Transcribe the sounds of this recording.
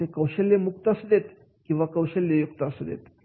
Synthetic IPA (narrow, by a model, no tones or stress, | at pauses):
ekəwɕelːemukt̪əsd̪et̪ | kĩw̃ʋakəwɕeljejukt̪əsd̪ḛt̪